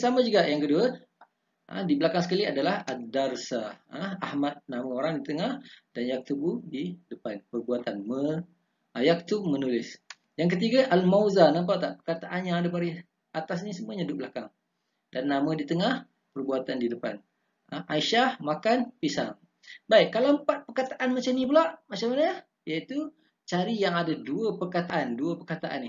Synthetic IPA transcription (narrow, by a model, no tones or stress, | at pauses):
samãd͡ʒuɡaʔjaŋkədua | ʔə̰dibəlakaŋsə̥kaliadalahadarsaəahmat̪̚namãoɾaŋdit̪əŋahd̥anjak̚t̪ubudidəpanpərbuat̪anmə | ajak̚t̪umənulɪs | jaŋk̬ət̪iɡaʔalmazanãmp̬at̪aʔpərkat̪aʔanɲaːdapaɾi | at̪asnisəmuaɲadʊpblakaŋ | danːamə̃dit̪əŋah | pərbuat̪andidəpa̰n | aʔaiʃahmakanpisa̰ŋ | baɪkːalaəmpat̪̚pərkat̪aʔanmat͡ʃamnipəlaʔmat͡ʃamana | jait̪u | t͡ʃaɾijaŋadaduəpərkat̪aʔanduəpərkat̪aʔa̰nɪ